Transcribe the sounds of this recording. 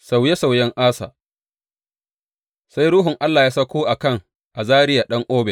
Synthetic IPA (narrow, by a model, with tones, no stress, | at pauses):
sa˨wje˦sa˨wjɛ˦ŋʔaː˦sa̰ː˨ | sa˦jɾʊː˦ɦʊ˨ŋʔa˦lːaː˨jaː˦sɐ˦kʷoː˦ʔa˨kɐ˦˨ŋ | ʔa˨zaː˦ɾɪ˦ja˨ɗɐ˦ŋʔoː˦bɛ˨